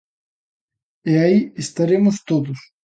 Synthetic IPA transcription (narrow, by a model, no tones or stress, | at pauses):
eaiist̪ɐɾemust̪ot̪us